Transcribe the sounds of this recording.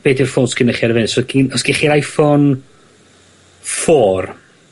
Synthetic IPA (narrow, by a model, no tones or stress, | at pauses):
b̥eːdirfoːnsɡ̥ɪnəχaɾvɪnsɔɡ̥inɔsɡ̥ɪχiɾajfɔn | fɔːr